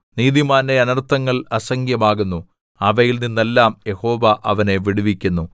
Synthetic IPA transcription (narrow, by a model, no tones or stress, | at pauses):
niːðimaːneɐnɐrt̪ːɐŋːɐɭɐsɐŋɡjɐmaːɣunːu | ɐʋɐjilninːelːaːmje̞ho̞ːʋɐʔɐʋɐne̞ʋiɽuʋikʲːunːu